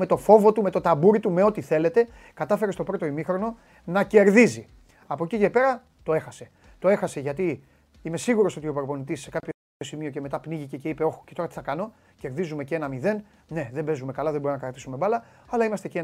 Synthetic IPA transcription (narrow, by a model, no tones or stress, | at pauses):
me̞t̪o̞fo̞vo̞t̪ume̞t̪o̞t̪ɐbuɾit̪ume̞o̞t̪iθe̞le̞t̪e̞ | kɐt̪ɐfe̞ɾe̞st̪o̞pɾo̞t̪o̞imixɾo̞no̞ | nɐce̞ɾðizi | ɐpo̞cice̞pe̞ɾɐ | t̪o̞e̞xɐse̞ | t̪o̞e̞xɐse̞ʝɐt̪i | ime̞siɣuɾo̞so̞t̪ioipeɾopo̞nit̪isːekapço | o̞simio̞ce̞met̪ɐpniʝice̞ce̞ipe̞o̞xo̥cet̪o̞ɾɐt̪iθɐkɐno̞ | ce̞ɾðizume̞cee̞nɐmiðe̞n | ne̞ðe̞be̞zume̞kɐlɐðeboonɐkɐɾɐkt̪i̥sumebɐlɐ | ɐlɐimɐst̪e̞cee